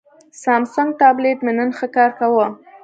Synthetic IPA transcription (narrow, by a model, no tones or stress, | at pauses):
sɑmsaŋɡ̚t̪ɑblet̪menənxəkɑɾkawə